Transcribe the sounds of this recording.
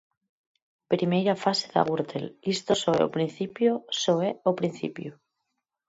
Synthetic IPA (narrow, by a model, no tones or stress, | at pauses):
pɾimejɾafaseða̰ɣuɾt̪ḛlist̪osoeo̰pɾin̟θipjosoeopɾinθḭpju